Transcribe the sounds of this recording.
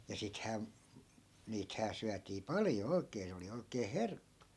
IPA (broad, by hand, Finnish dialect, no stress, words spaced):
jɑ sithæː niːthæː syætiː pɑljo oi̯kˑeː se oli oi̯keː herkːu̥